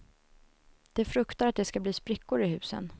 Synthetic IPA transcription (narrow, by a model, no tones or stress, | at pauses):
d̪̥ɛfɾɵkt̪aɾat̪̚d̪ɛskabliːspɾɪkːʊɾəɪɦʉ̟ːsə̰n